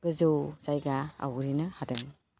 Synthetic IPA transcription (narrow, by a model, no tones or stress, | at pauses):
ɡ̥ɯzɯwzajɡaa̰wɾinɯhadɯm